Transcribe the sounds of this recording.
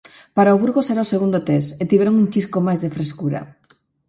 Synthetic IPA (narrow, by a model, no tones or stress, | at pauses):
paɾaoβuɾɣosɛɾaoseɣund̪ot̪eset̪iβɾaŋuŋt͡ʃiskomajzðefɾeskuɾɐ̰